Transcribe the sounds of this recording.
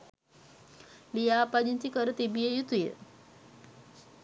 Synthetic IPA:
lijaːpad͡ʑint͡ɕikəɾət̪ibijejut̪ujḛ

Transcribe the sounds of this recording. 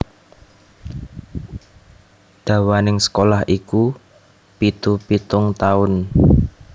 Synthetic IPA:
d̪̥a̤wanɪŋsə̥kolahiku | pit̪upit̪ʊŋt̪aʊn

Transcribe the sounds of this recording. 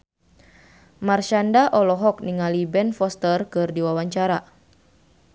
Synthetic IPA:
marʃandaʔɔlɔɦɔk̚niŋalibɛnfɔst̪ərkɨrdiwawaɲt͡ʃaɾa

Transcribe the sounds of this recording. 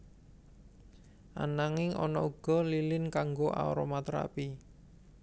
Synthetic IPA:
ʔa̰naŋɪŋʔɔnɔuɡ̥ɔ̤lilɪnkaŋɡoʔa̰ɔ̰ɾɔmat̪ɾa̰pi

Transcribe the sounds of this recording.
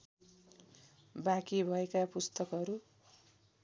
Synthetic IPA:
bakibʱʌekapust̪ʌkʌɾu

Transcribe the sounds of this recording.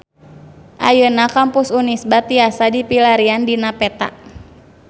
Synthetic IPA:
ʔa̰jənakampʊsunisbat̪iasadipilaɾiandinapɛt̪a̰ʔ

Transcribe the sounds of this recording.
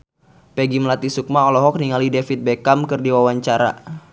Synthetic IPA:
pɛɡimlat̪isuk̚maɔlɔɦɔk̚niŋalidefit̪̚bekamkɨrdiwawaɲt͡ʃaɾa̰

